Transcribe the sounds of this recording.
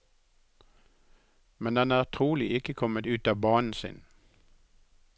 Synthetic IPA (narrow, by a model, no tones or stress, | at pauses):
mɛnd̪ɑnæːʁt̪ʰʁuːlɪʔɪkəkʰɔmət̪ʉːt̪ɑːbɑːnn̩sɪ̰ːn